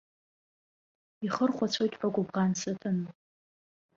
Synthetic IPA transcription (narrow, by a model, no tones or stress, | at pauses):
iχərχʷat͡sʷʰojtʼħʷaɡʷʊbʁansɨtʰɨn